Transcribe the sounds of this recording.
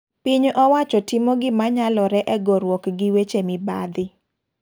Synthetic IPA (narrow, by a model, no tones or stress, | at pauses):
piɲʔɔwat͡ʃɔtɪmoɡɪmaɲalɔɾɛʔɛɡɔɾwɔkɡɪwet͡ʃemɪba̰d̪ɪ